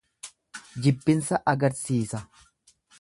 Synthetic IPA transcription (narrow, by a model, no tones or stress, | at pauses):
d͡ʒɪbːɪnsɐʔɐɡɐɾsiːsɐ